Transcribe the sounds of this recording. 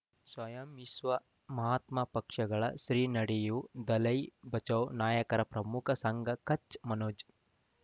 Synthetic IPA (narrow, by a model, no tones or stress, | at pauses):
sʋɐjɐmisʋɐ | mɐɦaːt̪mɐpɐkʂɐɡɐɭɐ̰ʃɾiːnɐɽejud̪ɐlɐjbɐt͡ʃɐwnaːjɐkɐɾɐpɾɐmukʰɐsɐŋɡʱɐkɐt͡ʃmɐnoːd͡ʒ